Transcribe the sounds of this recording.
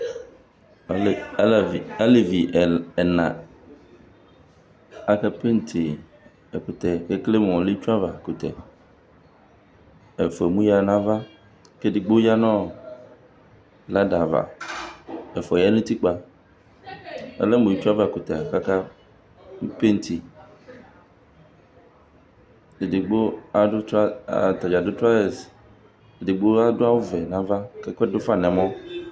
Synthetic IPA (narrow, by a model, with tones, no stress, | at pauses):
a˦le˨vi˨ʔɛ˨nã̰˨ | a˦kɛ˦pe˦n˨t̪ʰe˨ | e˨ku˨t̪ɛ˨ke˦kle˦m˨ɔ˨le˦t͡ʃu˦a˦va˨ku˨t̪ɛ̰˨ | e˨fe˨mũ˦ja˦˨nã˦va˦ | ke˦di˨ɡ͡bo˦ja˦nɔ̃˦ | la˦da˨va̰˨ | e˨fɔ˨ja˦nũ˦t̪i˦k͡pa˨ | ḛ˦le˦mũ˨i˦t͡ʃu˦a˦va˦˨ku˨t̪e˨a˨ka˦ka˦ | u˦pe˦ŋ˦t̪ʰi˨ | e˨di˨ɡ͡bo˦a˨o˦tt̪a˨d͡ʒa˨do˦t̪ɾa˦e˨s | e˨di˨ɡ͡bo˦a˦do˦a˦wo˦vɛ˨nã˦va˦ke˦ke˦do˦fa˦nɛ̃˨mɔ̃˦